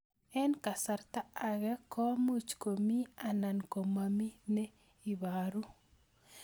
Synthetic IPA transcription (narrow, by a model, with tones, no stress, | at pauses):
ɛ˦nka˨sa˨ɾt̪a˦a˨ɣɛ˦kɔ˦mu˦t͡ʃko˨mi˦a˨na˨nko˨ma˨mi˦nɛ˦ | i˨βaɾu˦